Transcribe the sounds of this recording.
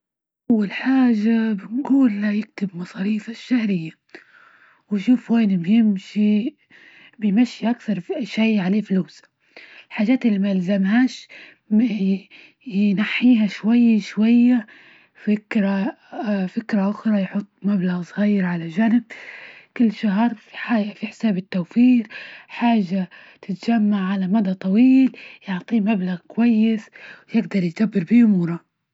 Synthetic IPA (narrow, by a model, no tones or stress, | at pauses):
ʔʔawːalħaːʒabɪnɡuːlːajɪk̚t̪ɪbmɑsˤɑːɾiːfaʃːahɾɪjːa | wʃuːfweːnɪbjɪmʃi | bɪjmaʃːiʔakθɑɾˤʃijːʕaleːfluːs | ɪlħaːʒaːt̪ɪlːimalzamɦaːʃ | jnaħːiːɦaʃwajːaʃwajːa | fɪkɾa | fɪkɾaʔʊxɾˤɑjħʊt̪ˤːmablaɣsˤɣajɾʕalaʒanɪb̚kɪlːʃaɦɾˤfiħaːjʔafiħɪ̥saːbɪt̪ːawfiːɾħaːʒːa | t̪ɪt̪d͡ʒamːaʕʕalamad̪at̪ˤɑwiːljʊʕt̪ˤiːmablaɣkʊwajːɪswjɪɡd̪ɑɾˤjd̪abːɪɾbiʔʊmuːɾˤɑ